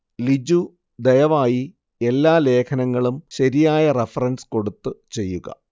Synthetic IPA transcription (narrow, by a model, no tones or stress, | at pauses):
lid͡ʑu | d̪ejɐʋaːji | e̞lːaːle̞ːkʰɐnɐŋːɐɭumɕɐɾijaːjɐrefɐrɐnsko̞ɽut̪ːɨt͡ɕe̞jːuɣɐ̰